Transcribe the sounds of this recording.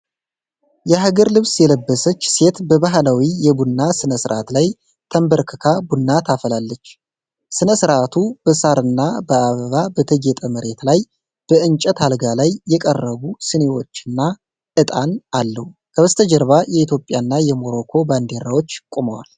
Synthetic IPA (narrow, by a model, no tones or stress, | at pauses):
jɛɦaɡəɾlɨβsjɛləbːəsət͡ʃːse̞t̪bəβaɦlawijɛbunːasɨnəsɨɾʔa̰t̪laj | t̪ʰəmbəɾkʰɨkʰabunːat̪ʰafəlalːət͡ʃː | sɨnəsɨɾʔat̪ʰub̥əsaɾɨnːabəaβəβabət̪ʰəɡet̪ʼəməɾe̞t̪laj | b̥əʔɨnt͡ʃʼət̪halɡalajːɛkʼərːəβusɨne̞wo̞t͡ʃːɨnːa | ɨt̪ʼanalːəhukʰəβəst̪ʰəd͡ʒəɾβajɛit̪jo̞pʼːjanːajɛmo̞ɾo̞kʰo̞band̪e̞ɾawot͡ʃːkʼuməwa̰l